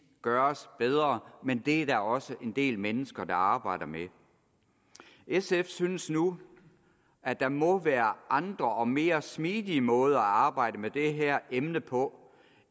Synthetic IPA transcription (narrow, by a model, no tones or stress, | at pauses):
ɡ̥ɶɐsb̥eð̞ˠʁɐmend̥e̝ædæɒ̽səʔe̝nd̥e̝̰ːlmenəsɡ̥ɐd̥ɑ̈ɑ̈ːb̥ɑ̈ɪ̰ɾ̥ɐme | esefsyːnəsnu | æd̥ɑ̈mɒ̽ʋæːɐʔɑ̈nd̥ʁɐʔɒ̽me̝ːɐsmiːðˠiəmɔ̽ːð̞̩ˠɐæɑ̈ːb̥ɑ̈ɪ̰ɾ̥əmed̥e̝ɦæɐ̰emnəpʰɒ̽